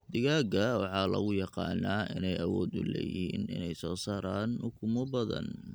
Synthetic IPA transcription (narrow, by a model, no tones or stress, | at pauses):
d̪ɪɣaːɡɐwɑħɑːlɐ̰ɣʊjɑqɑ̰ːnaːɪnɛjɐwɔːd̪ʊ̰lɛjɪɦhiːnɪ̰nɛjsɔːsaːɾaːnʊkʰʊmʊbɐðɐ̰n